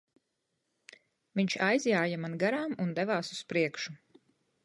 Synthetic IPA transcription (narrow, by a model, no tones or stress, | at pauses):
viɲt͡ʃajzjaːjamanɡaɾaːmund̪ɛvaːsu̥spɾiɛkʃu